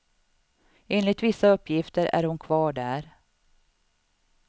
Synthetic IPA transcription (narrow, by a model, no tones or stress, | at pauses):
eːnlɪɡ̚t̪vɪsːaɵpːjɪft̪əɾæ̰ɾhʊnkʰvɑːɖæːɾ